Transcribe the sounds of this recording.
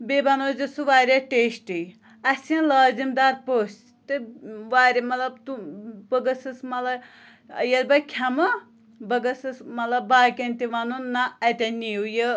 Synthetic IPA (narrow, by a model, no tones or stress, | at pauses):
bebɐnoːzɨsuʋaːɾʲɐʈeːʃʈi | ɐsɐ̃nlaːzimd̪aːɾ̚poːs | t̪ɨʋaːɾʲemɐlɐbt̪ubəɡɐsɨsmɐlɐ | jɐd̪bɐkʲʰɐmɐ | bɐɡɐsɨsmɐt̪lɐbːaːkʲɐnʲt̪iʋɐnunːɐɐt̪ʲɐnʲːijujə